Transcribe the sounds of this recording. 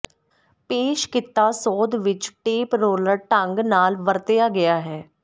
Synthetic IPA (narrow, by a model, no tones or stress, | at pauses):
peːʃkɪt̪ːaːsɔːd̪ʋɪt͡ʃʈeːpɾoːləɾʈəŋɡnaːlʋəɾt̪jaːɡɪjaːɦɛː